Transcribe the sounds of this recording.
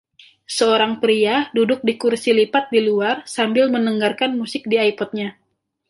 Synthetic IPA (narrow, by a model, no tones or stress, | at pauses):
səoɾaŋpɾiadudʊk̚dikursilipat̪̚diluarsambɪlmənəŋɡarkanmusɪk̚diajpɔt̪̚ɲa